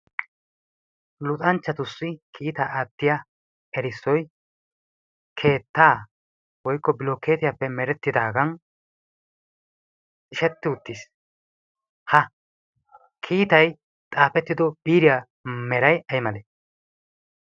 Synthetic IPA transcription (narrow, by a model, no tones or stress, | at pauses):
lʊt̪ʼɐnt͡ʃːɐt̪ʊsːɪkʰiːt̪aːʔat̪ːɪjɐ | ɛɾɪsːɔj | kʰe̞ːt̪ːaː | wɔjkːɔbɪloːke̞ːt̪ɪjapːɛmɛɾɛt̪ːɪd̪aːɡɐn | ɪʃɛt̪ːɪʊt̪ːis | hɐ | kʰiːt̪ɐj | t̪ʼaːpɛt̪ːɪd̪ɔbiːɾɪja | mɛɾɐjɐjmɐle